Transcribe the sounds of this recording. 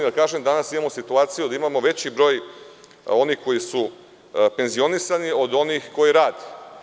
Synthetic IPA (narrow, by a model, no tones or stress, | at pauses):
d̪akaːʒemd̪anasimaːmo̞sit̪uaːt̪sijud̪aimamo̞ʋe̞t͡ɕibɾo̞ːj | o̞nixko̞jisu | pe̞nzio̞nisanio̞d̪o̞nixko̞jiɾaːd̪e